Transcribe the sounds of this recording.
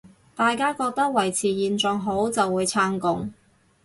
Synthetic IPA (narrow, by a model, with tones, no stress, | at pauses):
t̪aː˨jkaː˥kɔː˧k̚t̪ɐ˥k̚wɐ˨˩jt͡sʰiː˨˩jiː˨nt͡sɔː˨˧ŋɦo˨˥wt͡sɐ˨wuː˨˧jt͡sʰaː˧˥ŋkʊ˨ŋ